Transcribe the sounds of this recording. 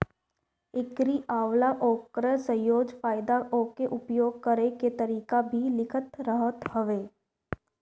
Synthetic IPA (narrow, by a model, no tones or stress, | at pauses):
ɪkɾiʔaːʋlaʔɔːkɾəsə̃joːd͡ʒfaːjɪd̪aɔkeʔʊpjoːɡ̚kəɾeket̪əɾiːkabʱilɪkʰət̪ɾəɦət̪həʋeː